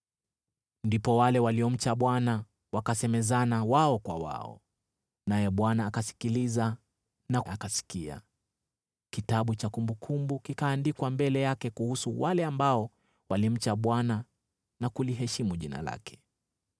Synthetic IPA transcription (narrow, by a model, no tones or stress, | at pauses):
ndipɔwalɛwaliɔm̩t͡ʃaɓwana | wakasɛmɛzanawaɔkwa̰wa̰ɔ̰ | najɛɓwanaːkasi̥kiliza | naakasi̥kia̰ | kitaɓut͡ʃakumbukʰumbukikaːndikwambɛlɛjakɛkuhusuwalɛambaɔ | walim̩t͡ʃaɓwana | nakuliɦɛʃimuʄina̰la̰kʰɛ̥